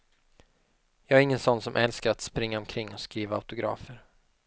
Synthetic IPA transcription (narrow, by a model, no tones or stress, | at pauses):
jɑːæɾɪŋːənsɔnːsɔmʔɛlskaɾat̪spɾɪŋːaɔmkʰɾɪŋːɔskɾiːvaaʊt̪ʊɡɾɑ̰ːfəɾ